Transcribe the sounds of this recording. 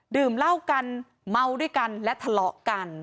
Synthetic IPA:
dɯː˨˩mla˥˩wka˧n | ma˧wduː˥˩əjka˧nlɛ˦˥ʔt̪ʰa˧lɔ˨˩ʔka˧n

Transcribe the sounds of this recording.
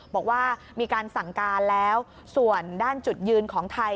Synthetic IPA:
bɔː˨˩k̚waː˥˩ | miː˧kaː˧nsa˨˩ŋkaː˧nlɛː˦˥w | su˨˩əndaː˥˩nt͡ɕu˨˩t̪̚jɯː˧nkʰɔː˩˦ŋt̪ʰa˧j

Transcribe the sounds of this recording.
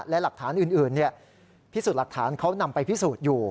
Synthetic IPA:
lɛ˦˥la˨˩k̚t̪ʰaː˩˦nʔɯː˨˩nʔɯː˨˩nːi˥˩ɐ | pʰiː˦˥˩suː˨˩t̪la˨˩k̚t̪ʰaː˩˦nkʰa˦˥wna˧mpa˧jpʰi˦˥suː˨˩t̪̚juː˨˩

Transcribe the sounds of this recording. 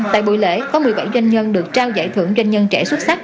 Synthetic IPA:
t̪a̰ː˧˨jɓṵ˧˨jlḛ˧˩˥kɔ˨˦mɨ˨˩əjɓa˧˩jzwa˧jŋ̟ɲə˧nɗɨ˨˩ək̚t͡ɕaː˧wza̰ː˧˩jt̪ʰɨ˧˩əŋzwa˧jŋ̟ɲə˧nt͡ɕɛ˧˩swt̚sa˦˥k̚

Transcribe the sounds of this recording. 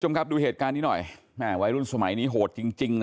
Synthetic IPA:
t͡ɕʰo˧mkʰa˦˥p̚duː˧ɦeː˨˩t̪̚kaː˧nːiː˦˥nɔ˨˩j | mɛː˧˩wa˦˥jɾu˥˩nsa˧ma̰˨˩˦jniː˦˥ɦoː˨˩t̪̚t͡ɕi˧ŋt͡ɕi˧ŋn

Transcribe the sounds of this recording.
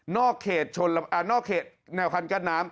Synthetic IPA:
nɔː˥˩kʰːeː˨˩t̪̚t͡ɕʰo˧nla˧ʔa˧˩nɔː˥˩kʰːeː˨˩t̪̚nɛː˧˩wkʰa˧nkaː˧˥˩nːaː˦˥m

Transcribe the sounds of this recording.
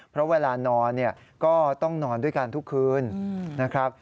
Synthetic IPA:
pʰɾɔ˦˥weː˧laː˧nɔː˧nːi˥˩ɐ | kɔː˥˩t̪ɔ˥˩ŋnɔː˧ndu˥˩əjka˧nt̪ʰu˦˥kʰːɯː˧nna˦˥kʰɾa˦˥p̚

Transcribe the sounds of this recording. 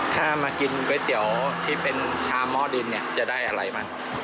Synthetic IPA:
t̪ʰaː˥˩maː˧ki˧nweː˦˥t̪i˩˦əwt̪ʰiː˥˩pe˧nt͡ɕʰaː˧mɔː˥˩dɯ˧nːi˥˩ɐt͡ɕa˨˩ʔdaː˥˩jʔa˧ɾa˧jmaː˥˩ŋ

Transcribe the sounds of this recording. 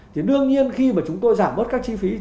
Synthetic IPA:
t̪ʰi˨˩ɗɨ˧əŋɲi˧ənxi˧maː˨˩t͡ɕʊ˨˦ŋ͡mt̪o˧jzaː˧˩mːɓə˦˥t̚kaː˦˥k̚t͡ɕi˧fi˨˦

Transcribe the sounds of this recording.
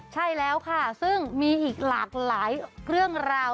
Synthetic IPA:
t͡ɕʰa˥˩jlɛː˦˥wkʰa˥˩sɯ˥˩ŋmiː˧ʔiː˨˩k̚laː˨˩k̚laː˩˦jɾɯ˥˩əŋɾaː˧w

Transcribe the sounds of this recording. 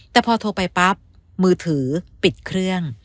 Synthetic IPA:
t̪ɛː˨˩pʰɔː˧t̪ʰoː˧pa˧jpa˦˥p̚ | mɯː˧t̪ʰɯː˩˦pi˨˩t̪̚kʰɾɯ˥˩əŋ

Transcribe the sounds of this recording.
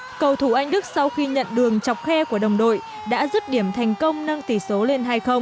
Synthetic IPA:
kə˨˩wt̪ʰu˧˩ʔa˧jŋ̟ɗɨ˦˥k̚sa˧wxi˧ɲə̰˧˨nɗɨ˨˩əŋt͡ɕa˨˩wk͡p̚xɛ˧ku˧˩əɗə˨˩wŋ͡mɗo̰˧˨j | ɗa̰ː˧˥zu˦˥t̚ɗi˧˩əmt̪ʰa˨˩jŋ̟kə˧wŋ͡mnə˧ŋt̪i˧˩so˨˦le˧nɦaː˧jxə˧wŋ͡m

